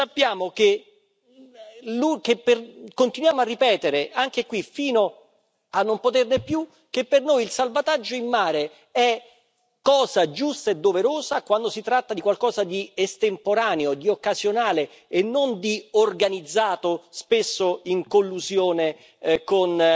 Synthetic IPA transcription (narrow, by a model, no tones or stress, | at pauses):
sapːjaːmok̟e | lukepːerkont̪inwjaːmoarːipɛːt̪eɾeaŋkekwifiːno | anːompot̪ernepju | k̟epːernoːjilsalvat̪ad͡ʒːoimːaːɾe | ɛ | kːɔːzad͡ʒust̪aed̪ːoveɾoːzakwand̪osit̪ɾat̪ːad̪ikwalkɔːzad̪iest̪empoɾaːneod̪iokːazjonaːle | enːond̪iorɡanid̪zːaːt̪ospesːoiŋkolːuzjoːne | kon